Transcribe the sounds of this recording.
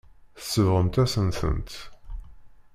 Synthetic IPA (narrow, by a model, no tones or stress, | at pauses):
θə̥sːəvʁəmt̪æsənθə̰nt̪